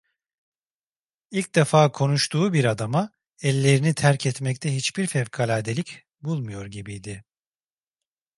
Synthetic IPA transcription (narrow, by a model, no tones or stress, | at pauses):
ilʲc̚d̪ɛfaːkʰo̞nuʃt̪ʰuːbiɾad̪ama | ɛlʲːe̞ɾinit̪ʰæɾcʰɛt̪mɛct̪ʰɛɦit͡ʃbiɾfɛvkʰalʲaːd̪elʲic | bulˠmujo̞ɾɟibijd̪ɪ